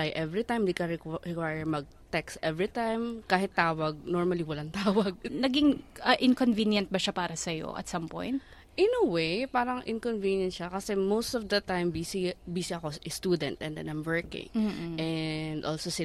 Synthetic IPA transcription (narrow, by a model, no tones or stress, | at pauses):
ajʔɛvɹit̪ãjmd̪ɪkɐɹɪɹɛkwajɛɹmɐɡ̚t̪ɛkst̪ʔɛvɹit̪ãjmkaːɦɪt̪ːaːwɐɡ̚nɔɹmɐliwɐlant̪aːwɐɡ̚nɐɡɪŋɐʔɪnkonvinjɐnt̪̚bɐʃapaːɾɐsɐjo̰ʔɐ̰t̪sɐmpõ̰jnt̪ | ʔɪnɐwejpaːɾɐŋʔɪ̰nkonviːnjɐn̚ʃakɐsɛmowst̪ɔvd̪ɐt̪ãjmbisibiːsiɐkoʔɪst̪uːd̪ɛnt̪ʔɛnd̪ɛ̰nãjmwɜɹkɪ̰̃ŋ̩ʔɛnd̪ʔolsosɪ